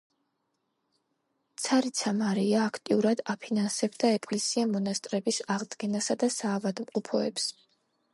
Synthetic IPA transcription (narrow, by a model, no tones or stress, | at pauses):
t̪sʰaɾit̪sʰamaɾiaːkʰt̪ʼiuɾad̪apʰinansɛbd̪aɛkʼlɛsiamɔnast̪ʼɾɛbisaʁd̪ɡɛnasad̪asaːvad̪mqʼɔpʰɔɛps